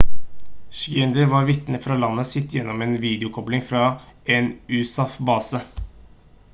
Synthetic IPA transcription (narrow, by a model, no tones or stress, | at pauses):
ʃɡɛnd̪əɾʋɑːɾʋɪt̪nəfɾɑːlɑnːəsɪt̪ːjɛnːɔmeːnʋiːd̪ɪʊkʰɔblɪŋfɾɑː | eːnʉːsɑfbɑːsə